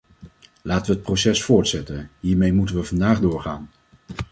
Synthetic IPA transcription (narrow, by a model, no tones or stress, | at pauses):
laːtəʋəɦət̚prosɛsfʊːɹtsɛtənɦiːɹmejmutənʋəvɑndaːχdʊːɹχa̰ːn